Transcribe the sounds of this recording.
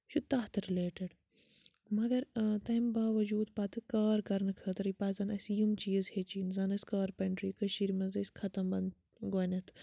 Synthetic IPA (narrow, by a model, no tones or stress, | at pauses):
ʃut̪ɐɦt̪ɨɾileːʈɐɖ | mɐɡɐɾt̪ɐjmbaːʋɐd͡ʒuːd̪pɐːt̪ɨkaːɾkɐɾnɨkʰɐːt̪ɐɾipaːzɐnɐsjumt͡ʃiːzhet͡ʃiːnzɐnɐsʲkaːɾpɐɳʈɾiːkɐʃiɾimɐzɐskʰɐt̪ɐmbɐnd̪ | ɡɐːnʲɐt̪ʰ